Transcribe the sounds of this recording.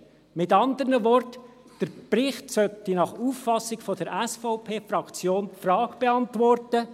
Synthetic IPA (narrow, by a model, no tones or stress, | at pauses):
mɪtɑnd̪əɾnəvɔrt | d̥əɾprɪχtsœtːinɑχuːfɑsːɪɡfɔd̥əɾæsfɔʊpʰeːfrɑkt͡sjoːnfrɑːɡ̥b̥eɑntʋɔrtə